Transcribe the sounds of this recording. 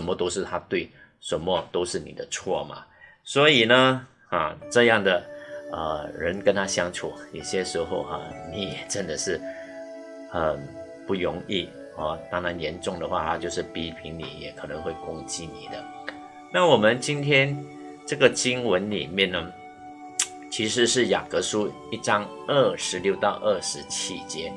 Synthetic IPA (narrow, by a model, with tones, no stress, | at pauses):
ə˦˥nmə˧t̪o˥ʊʂɻ̩˥˩t̪ʰa˥t̪we˥˩ɪ | ʂə˧˥nmə˧t̪o˥ʊʂɻ̩˥˩nḭ˨˩d̪ə˦t͡sʰwɔ˥˩mʔa̰˨˩ | swɔ˧˥i˨˩nə˦ | ɐ̰˥˩ʈ͡ʂɤ˥˧jɑ˥˩ŋd̪ə˩ə̰˧˩ɻə˧˥nkə˧˥nt̪ʰa˥ɕjɑ˥ŋʈ͡ʂʰu˨˩jo˨˩ɕjɛ˥ʂɻ̩˧˥xo˥˧ʊxɐ̰˨˩ni˨˥jɛ˨˩ʈ͡ʂə˦˥nd̪ə˨ʂɻ̩˥˩ | xə˨˩n | pu˥˩ɻʊ˧˥ŋi˥˩ | a˥˩t̪ɑ˥ŋɻa˧˥njɛ˧˥nʈ͡ʂʊ˥˩ŋd̪ə˩xwa̰˥˩t̪ʰa˥t͡ɕjo˥˧ʊʂɻ̩˥˩pi˥pʰi˧˥ŋnḭ˨˩jɛ̰˨˩kʰɤ˨˩nɤ˧˦ŋxwe˥˩ɪkʊ˥ŋt͡ɕi˥ni˨˩d̪ə˦ | na˥˩wɔ˨˩mə˦nt͡ɕi˥nt̪ʰjɛ˥n | ʈ͡ʂɤ˥˩ɡə˨t͡ɕi˥ŋwə˧˥nlḭ˨˩mjɛ˥˩nːə˧ | t͡ɕʰi˧˥ʂ̬ɻ̩˧˥˦ʂɻ̩˥˩ja̰˨˩kɤ˧˥ʂu˥ | i˥˩ʈ͡ʂɑ˥ŋ | ə˥˩ʂɻ̩˧˥ljo˥˧ʊt̪ɑ˥˧ʊʔə˥˩ʂɻ̩˧˥t͡ɕʰi˥t͡ɕjɛ˧˥